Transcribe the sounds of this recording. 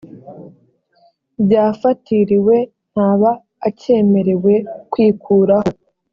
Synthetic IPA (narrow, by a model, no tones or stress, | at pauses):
bɟaːfatiɾiwe̞ | n̥haːβaː | ce̞ːme̞ɾe̞we̞kwiːkʰuːɾaho